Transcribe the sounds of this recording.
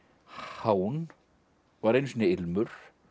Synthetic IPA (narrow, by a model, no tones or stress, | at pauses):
haːwn | vaɾejnsiːnaɪlmʏɾ̥